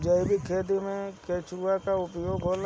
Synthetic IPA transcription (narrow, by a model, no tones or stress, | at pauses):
d͡ʒəɪbikʰːeːd̪imẽkeːt͡ʃʰɾuakaʊpjoːɡɦoːl